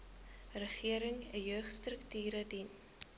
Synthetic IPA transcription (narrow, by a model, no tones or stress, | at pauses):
rəχiəɾəŋəjøːχstrəktyːɾədin